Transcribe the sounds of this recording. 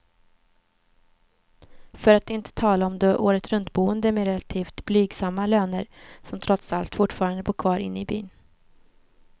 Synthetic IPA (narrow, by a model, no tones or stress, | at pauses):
fœɾat̪ɪnt̪ʰə̥t̪ʰɑːlaɔmd̪ɔʔoːɾət̪ɾɵnt̪̚buːənd̪əmɛɾɛlat̪ʰiːft̪blyːɡsamːaløːnəɾsɔmt̪ʰɾɔt̪salt̪fʊʈːfɑːɾand̪əbuːkʰvɑːɾɪ̰nːɪby̰ːn